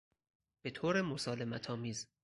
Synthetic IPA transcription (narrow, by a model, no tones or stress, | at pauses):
b̥e̞t̪ʰoːɾemosɒːle̞mæt̪ʰɒːmiːz